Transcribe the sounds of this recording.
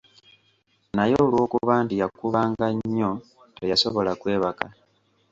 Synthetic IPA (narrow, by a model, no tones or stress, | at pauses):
najo̞lwo̞ːkuβaːndijakuβaːŋɡaɲːo | tejaso̞βo̞lakwe̞ːβaka